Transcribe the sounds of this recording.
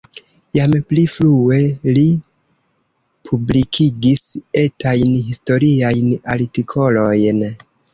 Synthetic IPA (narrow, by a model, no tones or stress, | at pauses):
jampliflue̞li | pʰublikʰiɡise̞tajnɦisto̞ɾiajna̰ɾtikʰo̞lo̞jn